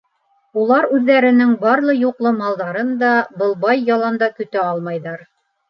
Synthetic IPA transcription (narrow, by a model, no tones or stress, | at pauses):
ulˠɑɾʉðːæɾɘ̆nɘŋbɑɾlˠɤjuqlˠɤmɑlˠd̪ɑɾɤnd̪ɑbɤ̆lˠbɑjːɑlˠɑnd̪ɑkɵ̆t̪æɑlˠmɑjðɑɾ